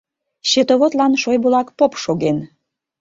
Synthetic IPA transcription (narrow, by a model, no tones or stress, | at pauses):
ɕet̪oβot̪lɑnʃojbulɑkpopʃoɣen